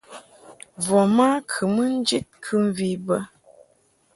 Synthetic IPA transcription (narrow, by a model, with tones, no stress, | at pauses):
vɔ˨ma˦kʰɨ˨mə˦n̩˦d͡ʒi˦t̚kʰɨ˦m˦vi˦bə˦